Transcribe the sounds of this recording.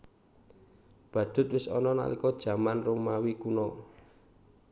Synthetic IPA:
b̥ä̤d̪̥ʊ̤t̪̚wɪsɔ̰nɔna̰likɔd̥ʒ̥ä̤manromawikunɔ

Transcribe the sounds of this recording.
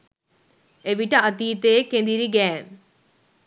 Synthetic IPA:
eʋiʈːɐɐt̪iːt̪eːkend̪iɾiɡɛ

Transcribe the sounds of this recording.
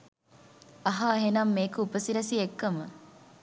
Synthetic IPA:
ɐɦaːɦenɐmːeːkəupəsiɾɐsiekːɐmə

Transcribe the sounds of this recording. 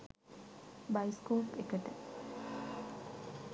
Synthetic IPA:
bajskoːpekəʈə

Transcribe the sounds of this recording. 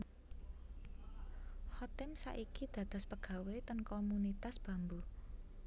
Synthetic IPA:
hɔt̪ɪmsa̰ʔikid̪̥ä̤d̪̥ɔ̤spəɡ̥ä̤wet̪ənkomunit̪asb̥ä̤mbu

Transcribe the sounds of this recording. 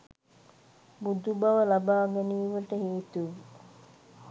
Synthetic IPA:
bud̪ubaʋəlabaːɡɛniːʋəʈəɦiːt̪uʋ

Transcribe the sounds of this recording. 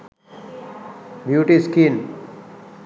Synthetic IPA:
bjuʈiskin

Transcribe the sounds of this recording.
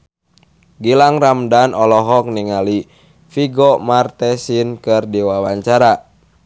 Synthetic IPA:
ɡilaŋramdanɔlɔɦɔk̚niŋali | fiɡɔmart̪ɛsinkɨrdiwawaɲt͡ʃaɾa

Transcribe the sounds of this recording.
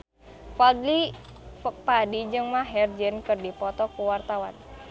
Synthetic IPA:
pɔdli | padid͡ʒɨŋmaɦɛrd͡ʒənkɨrdipɔt̪ɔkuwart̪awan

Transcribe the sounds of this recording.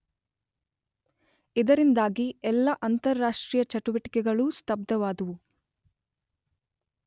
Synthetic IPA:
id̪ɐɾind̪aːɡiɛlːɐʔɐnt̪ɐɾːaːʂʈɾiːjɐt͡ʃɐʈuʋɐʈi̥kɛɡɐɭust̪ɐb̚d̪ɐʋaːd̪uʋu

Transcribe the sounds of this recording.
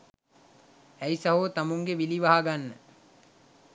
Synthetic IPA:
æisaɦot̪amuŋɡeʋiliʋaɦaɡanːə

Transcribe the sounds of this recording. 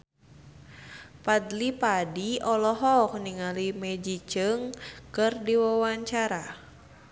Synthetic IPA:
padlipadiɔlɔɦɔk̚niŋalimed͡ʒit͡ʃɨŋkɨrdiwawaɲt͡ʃaɾa

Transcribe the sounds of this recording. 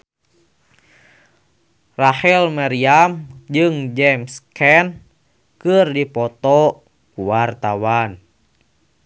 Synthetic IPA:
rahɛlmaɾiamd͡ʒɨŋd͡ʒɛmskɛn | kɨrdipɔt̪ɔ | kuwart̪awan

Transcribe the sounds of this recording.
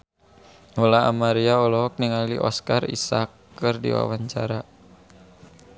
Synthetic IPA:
ɔlaamaɾiaɔlɔɦɔk̚niŋaliʔɔskarḭsakː | ərdḭwa̰waɲt͡ʃaɾa

